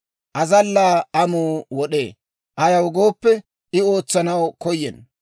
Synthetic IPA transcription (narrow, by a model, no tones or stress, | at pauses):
ʔɐzɐlːaːɐmuːwɔɗeː | ʔɐjɐwɡo̞ːpːɛ | ɪo̞ːt͡sːɐnɐwkɔjːɛn